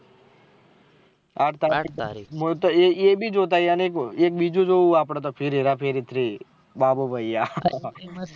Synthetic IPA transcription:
aːʈʰt̪aːkmot̪ejeːbʱid͡ʒoːt̪̬ajaːnekeːk̚biːd͡ʒod͡ʒouaːpɽat̪̬opʰɪɾeɾapʰɪɾɪt̪ʰɾi | baːbobʱəɪjaː

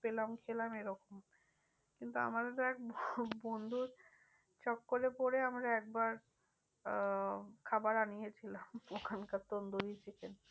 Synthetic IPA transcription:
pelamkʰelameɾɔkom | kint̪ua̰mad̪et̪oɛk̚bbond̪ʱuɾ | t͡ɕɔkːolepoɾeamɾaɛk̚baɾ | kʰabaɾanijet͡ɕʰilamokʰankat̪ond̪oɾit͡ɕʰiken

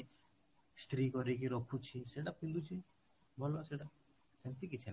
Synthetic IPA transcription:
st̪ɾikɔɾek̬iɾɔkʰːut͡ʃʰiseɽapʰĩnd̪ut͡ʃʰi | bʱɔlaseɽa | sent̪ikit͡ʃʰɛ

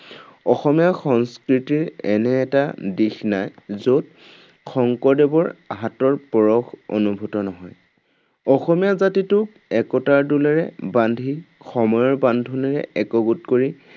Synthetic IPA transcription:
ɔxɔmijaxɔŋskɹitiɹɛnɛːtadixnajzot̚ | xɔŋkɔdɛbɔɹaɦatɔɹpɔɹɔxo̰nubʱutɔnɔɦɔj | ɔxɔmijazatitʊk | ɛkɔtaɹdulɛɹɛbandʱixɔmɔjɔɹbandʱunɛɹɛ̰ʔɛkɔɡutkoɹi

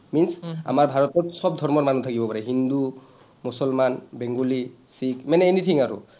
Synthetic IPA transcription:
minsa̰maɹbʱaɹɔtɔtsɔb̚dʱɔɹmɔɹmanutʰakibɔpaɹɛɦind̪u | musɔlmanbɛŋɡolisikmanɛenit̪ʰiŋaɹṵ

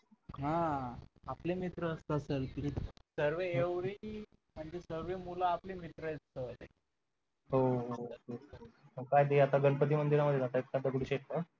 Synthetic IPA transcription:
ɦã | aplemit̪ɾəːst̪əːselkit̪isəɾʋeːʋɾi | m̤əɳd͡ʑesəɾʋemulaːplimit̪ɾəjtsəlḛ | ɦoookajd̪eat̪aɡəɳpət̪̬iːmənd̪iɾaməd̪ʱːjeat̪aek̚kad̪əɡuɽiɕet̪̚ka

